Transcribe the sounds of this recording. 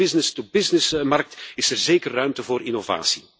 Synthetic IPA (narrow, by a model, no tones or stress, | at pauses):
ɪznɪstubɪznɪsmɑrk̚tɪsɛrzeːkərːœɥmtəvoːɾʔinova̰ːsi̥